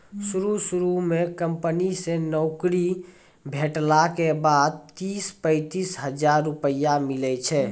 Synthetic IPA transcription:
suɾusuɾumekəmpənisenɔʊkɾi | bʱeʈlakebad̪̚t̪ispəɪt̪isɦəd͡ʒaɾːupəjamilɛt͡ʃʰɛ

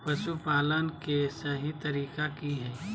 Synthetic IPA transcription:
pɐʃupaːlənkesɐɦit̪ɐɾiːkakiɦɛː

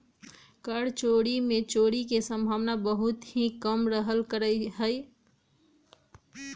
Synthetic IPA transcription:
kəɽt͡ʃoɽimẽt͡ʃoɽikesə̃mbʱaʋnabəɦut̪ɦĩkəmɾəɦəlkəɾəjɦəj

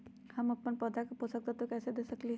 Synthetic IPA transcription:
hɐmɐpːənpəd̪ɾakeposək̚t̪et̪okɛːsed̪eːsəkliɦ

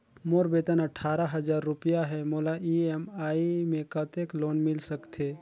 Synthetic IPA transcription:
moːɾbeːt̪ənɐʈʰːaːɾaɦɐzaːɾːʊpijaɦɛmoːlaʔiemaːimẽkət̪eːkloːnmɪlsəkt̪ʰeː

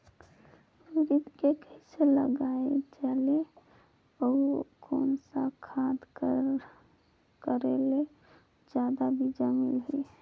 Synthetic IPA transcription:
uɾit̪kekəiselə̰ɡaːet͡ʃɛːle | ɔkɔːnsakʰaːd̪ | kəɾele | d͡ʒjaːd̪abʱid͡ʒamilɦi

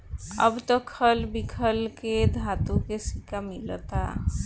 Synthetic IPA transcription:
ə̰bt̪ɔkʰəlbikʰəlked̪ʱat̪ukesikamilɔt̪a̰

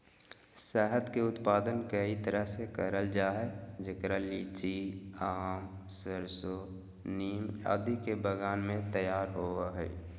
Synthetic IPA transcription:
sɛːɦət̪keʊt̪paːd̪ənkəit̪əɾəɦsekəɾəld͡ʒaːɦɛd͡ʒəkɾalit͡ʃiaːm | səɾso | niːmja̰ːd̪ikebəɡaːnmẽt̪əjaːɾɦoːaɦɛ̰ː

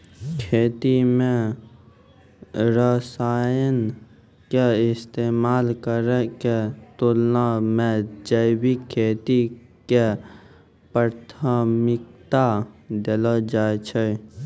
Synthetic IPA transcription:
kʰeːt̪imẽ | ɾəsaːjən | keɪst̪eːmaːlkəɾɛket̪ulnamẽd͡ʒəjwikʰeːt̪ike | pəɾt̪ʰaːmɪk̚t̪ad̪elɔd͡ʒaːt͡ʃʰə

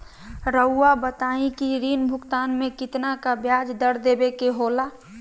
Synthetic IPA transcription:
ɾəʊːabət̪aĩkiɾinbʱʊkt̪anmekɪt̪nakabjad͡ʒd̪əɾ̤d̪ebekeɦola

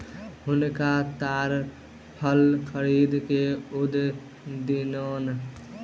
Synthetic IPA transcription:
ɦʊnkat̪aːɾ | pʰəlkʰəɾiːd̪keʊd̪ | d̪inoːn

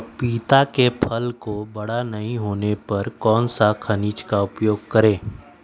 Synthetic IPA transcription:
piːt̪akepʰɐlkobɐɽanɐɦĩɦoːnepɐɾkɔːnsakʰɐniːt͡ʃkaʊpjoːɡ̚kɐɾẽː

